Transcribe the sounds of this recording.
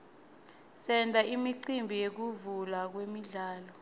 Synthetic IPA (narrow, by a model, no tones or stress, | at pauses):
sɛndʱaimiǀimbʱijek̬uvulak̬wemiɮaːlɔ